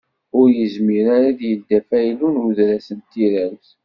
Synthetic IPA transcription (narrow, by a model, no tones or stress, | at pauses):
ʊɾjəzmiɾaɾaðjəld̪æfæjlunuðɾæsənt̪ːiɾæɾθ